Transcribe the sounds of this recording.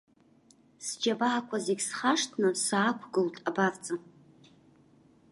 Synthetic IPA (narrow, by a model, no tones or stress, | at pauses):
sd͡ʒabaːkʷʰazeɡʲsχaʂtʰnɨsaːkʷʰɡɨltʼabavt͡sʼa